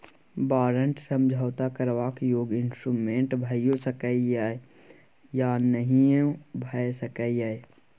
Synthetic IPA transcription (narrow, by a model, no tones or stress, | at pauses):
baːɾəɳʈsə̃md͡ʒʱəʋt̪akəɾʋaːkjoːɡɪnsʈɾumẽːɳʈbʱəjosəkəijaːe | janəɦĩbʱəjsəkəijae